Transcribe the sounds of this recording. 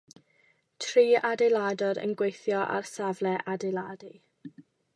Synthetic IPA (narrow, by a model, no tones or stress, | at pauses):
tʰriːadɛlˠadɔɾə̰nɡwejθjɔʔa̰rsavlɛʔadɛladi